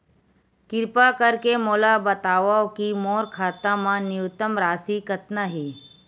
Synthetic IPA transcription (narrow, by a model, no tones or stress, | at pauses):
kɪɾpakəɾkemoːlabət̪aːʋaokimoːɾkʰaːt̪ãmãnɪut̪əmɾaːsikət̪naɦiː